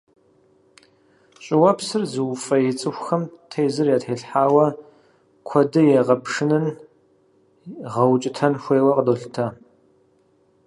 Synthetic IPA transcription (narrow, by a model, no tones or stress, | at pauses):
ɕʼɪwɐpsɨrzɨwfɐjɛt͡sʼɨxʷxɐmtʰeːzɨrjaːtħeːɬħaːwɐ | kʷʰɔdɨjɛʁɐpʂɨnɨn | ʁɐwt͡ʃʼɪtʰɐnxʷeːwɐqədoːɬtʰɐ